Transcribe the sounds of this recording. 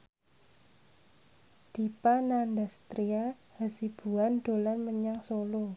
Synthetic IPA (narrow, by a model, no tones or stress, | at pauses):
d̪̥i̤panandast̪ɾia | hasib̥ṳand̪̥o̤lanməɲaŋsolo